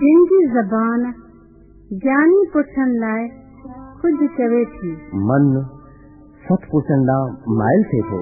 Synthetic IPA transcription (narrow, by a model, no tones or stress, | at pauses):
d͡ʑɪnɪd͡ʑiːzɐbaːn | ɡaːnipʊʈʰəɽ̃ɪlaːɪ | kʊd͡ʒʱʊ̆kɐʋet̪ʰiːmɐn | sɐt̪ʰpʊt͡ɕʰəɽ̃d̪ãːma̰ːɪlt̪ʰeːt̪ʰo̰ː